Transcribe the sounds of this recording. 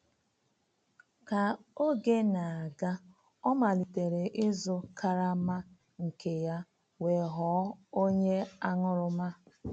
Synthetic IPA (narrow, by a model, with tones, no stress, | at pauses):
ka˨o˦ɡe˦na˨a˨ɡa˦ | ɔ˦ma˨li˨te˨ɾe˨ʔɪ˦zʊ˦ka˦ɾa˦ma˦ | ŋ̩˨ke˨ja˦ | we˨ɦɔ˨˦o˦ɲe˦a˦ŋʊ˦ɾʊ˦ma˦